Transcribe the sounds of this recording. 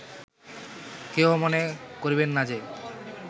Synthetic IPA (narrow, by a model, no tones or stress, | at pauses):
keomonekoɾibenːad͡ʑe